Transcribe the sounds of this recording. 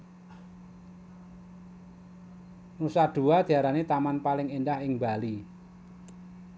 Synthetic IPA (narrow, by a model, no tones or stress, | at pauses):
nusad̪̥ṳad̪̥i̤aɾanet̪amanpalɪŋendahɪŋbali